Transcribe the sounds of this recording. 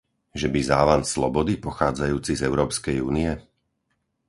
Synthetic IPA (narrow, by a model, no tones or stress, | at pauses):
ʒɛbizaːʋanslɔbɔd̪ipɔxaːd͡zajuːt͡sizɛʊɾɔːpskɛjṵːnijɛ